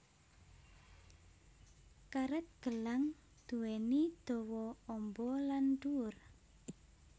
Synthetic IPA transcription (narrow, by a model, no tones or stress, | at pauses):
kaɾɛt̪̚ɡ̥əlaŋ | d̪̥ṳwɛnid̪̥ɔ̤wɔɔmbɔlanduʊr